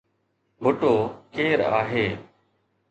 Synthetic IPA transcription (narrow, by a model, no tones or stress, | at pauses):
bʱʊʈoːkeːɾa̰ːɦeː